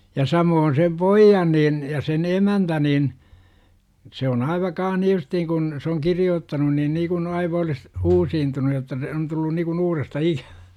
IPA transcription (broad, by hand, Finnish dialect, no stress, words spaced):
jɑ sɑmoːn sem poijːɑn niːn jɑ sen emæntæ nin se on ɑiʋɑ kɑːh ni justiːŋ kun se oŋ kirioːtːɑnun niːn niːkun ɑiʋɑ olis uːsiːntunu jotːɑ se on tulːu nikun uːrestɑ ikæʋ̥æ̥